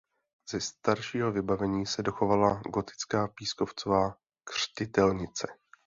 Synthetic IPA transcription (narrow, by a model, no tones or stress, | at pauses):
z̥ɛst̪aɾʃiːɦo̞vɪbavɛɲiːsɛdo̞xo̞valaɡo̞t̪ɪ̥t͡skaːpiːsko̞ft͡sovaː | kr̝̥cɪt̪ɛlɲɪt͡sɛ